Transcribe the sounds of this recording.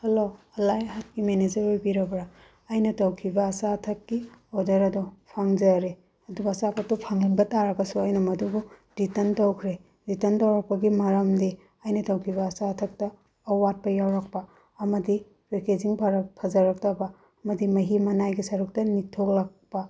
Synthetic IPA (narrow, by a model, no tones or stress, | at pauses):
hɐloɐlajɦat̚kimened͡ʒɐɾojbiɾɐbɾa | ɐjnɐtɐwkʰibɐːsatʰɐkːioɾdɐɾɐdupʰaŋzɐɾe | ɐdubɐsapʰɐtupʰaŋlinbɐtaɾɐɡɐsuɐjnɐmɐdubuditɐntɐwkʰɾe | ditɐntɐwɾɐk̚pɐɡimɐɾɐmdi | ɐjnɐtɐwkʰiβɐːsatʰɐk̚tɐː | wat̚pɐjawɾɐk̚pɐː | mɐdi | ɾeked͡ʒiŋpʰaɾɐpʰɐzɐɾɐk̚tɐbɐː | mɐdimɐɦimɐnajɡisɐɾuk̚tɐnitʰoklɐkpɐ